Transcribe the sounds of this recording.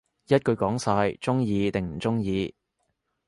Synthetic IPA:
jɐ˥t̚kɵ˧ɥkɔː˨˥ŋsaː˧jt͡sʊ˥ŋjiː˧t̪ɪ˨ŋm̩˨˩t͡sʊ˥ŋjiː˧

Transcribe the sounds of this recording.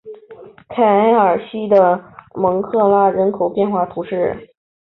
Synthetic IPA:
kʰa˨˩a˥ɪə˞˨˩ɕi˥d̪ə˨mɤ˧˥ŋkʰɤ˥˧la˥˩ɻə˧˥nkʰo˨˩ʊpjɛ˥˧nxwa˥˩t̪ʰu˧˥ʂɻ̩˥˩

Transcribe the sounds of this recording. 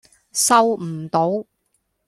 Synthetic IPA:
sɐ˥wm̩˨˩t̪o˨˥w

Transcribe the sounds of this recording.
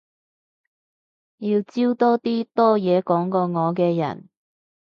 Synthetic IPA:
jiː˧wt͡siː˥wt̪ɔː˥t̪iː˥t̪ɔː˥jɛː˨˧kɔː˨˥ŋkɔː˧ŋɔː˨˧kɛː˧jɐ̰˨˩n

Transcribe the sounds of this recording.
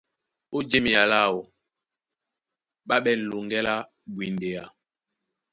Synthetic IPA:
o˦d͡ʒe˦mi˨a˨la˦˨wo˨ | ɓa˦ɓɛ˦˨n̩˨lu˨ŋɡɛ˦la˦ | bwi˨nde˨ja˨

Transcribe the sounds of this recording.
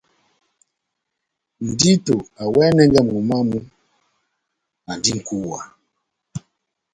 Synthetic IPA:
n̩˨di˦to˨a˨wɛ˦nɛ˦ŋɡɛ˦˨m˨u˨ma˦mu˦ | a˨n˨di˦ŋ̩˨ku˦wa̰˨

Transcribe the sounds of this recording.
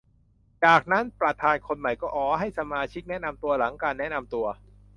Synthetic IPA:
t͡ɕaː˨˩k̚na˦˥npɾa˨˧t̪ʰaː˧nkʰo˧nma˨˩jkɔː˥˩ʔɔː˩ɦa˥˩jsa˧maː˧t͡ɕʰi˦˥k̚nɛ˦˥na˧mt̪u˧ɐla˩˦ŋkaː˧nːɛ˦˥na˧mt̪u˧ɐ

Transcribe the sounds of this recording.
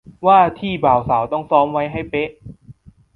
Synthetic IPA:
waː˥˩t̪ʰiː˥˩baː˨˩wsaː˩˦wt̪ɔ˥˩ŋsɔː˦˥mwa˦˥jɦa˥˩jpe˦˥ʔ

